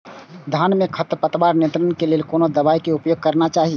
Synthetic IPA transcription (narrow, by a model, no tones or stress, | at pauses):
d̪ʱanmekʰət̪pət̪əbaɾnent̪ɾənkeleːlkonod̪əbaikeupjoɡ̚kəɾnat͡ʃaːɦi